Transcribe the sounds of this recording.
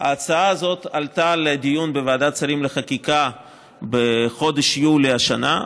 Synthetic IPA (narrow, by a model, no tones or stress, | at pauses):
haːt͡saaːzo̞t̪alt̪aled̪ijunbevaad̪at͡saɾimleχakika | beχo̞d̪eʃjuleaʃana